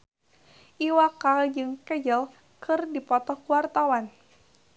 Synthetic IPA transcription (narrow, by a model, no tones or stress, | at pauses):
ʔiwakald͡ʒɨŋkɛd͡ʒəl | kɨrdipɔt̪ɔhkuwart̪awan